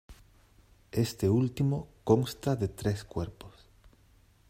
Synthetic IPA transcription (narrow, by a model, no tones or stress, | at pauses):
est̪eult̪imokoŋst̪aðet̪ɾeskweɾpos